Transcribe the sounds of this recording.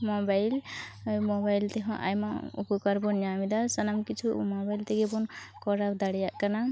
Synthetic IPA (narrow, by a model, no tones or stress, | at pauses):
mɔbajlmɔbajlt̪eɦɔ̰̃ʔa̰jmaṵpukaɾbɔnjamid̪asʌnamkit͡sʰṵmɔbajlt̪eɡebɔn | kɔɾabd̪aɽijakana